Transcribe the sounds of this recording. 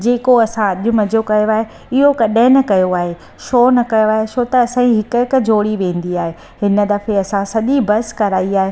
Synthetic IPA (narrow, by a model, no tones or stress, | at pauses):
d͡ʑeːkoɐsãɐʄʊ̆mɐd͡ʑʱokɐjoaːɦe | ɪɦoɡɐɗə̃ɪnɐkɐjoaːɦe | ʃoːnɐkɐjoaːɦeʃoːt̪ɐːsãĩɦɪkɪk̆d͡ʑʱoːɽiʋẽːn̆d̪iaːɦe | ɦɪnə̆d̪ɐfeɐsãsɐʄibɐskɐɾaːiaːɦeː